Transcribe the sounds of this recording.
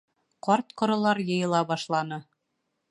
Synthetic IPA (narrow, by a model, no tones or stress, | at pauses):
qɒɾt̪qŏɾɤ̆lˠɑɾjɤ̆jɤ̆lˠɑbɑʃlˠɑnɤ